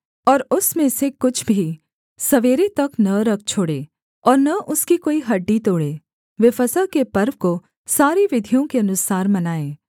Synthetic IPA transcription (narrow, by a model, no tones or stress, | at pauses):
ɔːɾʊsmẽsekʊt͡ʃʰbʱi | sɐʋeːɾet̪ɐknɐɾɐk̚ʰt͡ʃʰoːɽeː | ɔːɾnɐʔʊskikoːiɦɐɖːit̪oːɽeː | ʋefɐsəkepɐɾʋko | saːɾiʋɪd̪ʱijõkeɐnʊsaːɾmɐnaːẽː